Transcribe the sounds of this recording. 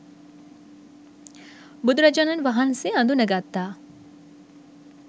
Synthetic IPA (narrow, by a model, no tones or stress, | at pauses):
bʊd̪ɾɐd͡ʒɐnɐnʋɐɦənseɐ̃nd̪unɐɡaːt̪ːaː